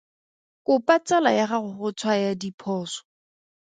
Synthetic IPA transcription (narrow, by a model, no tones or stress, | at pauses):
kʊpat͡salajaχaχʊχʊt͡sʰwajadipʰɔːsɔ̥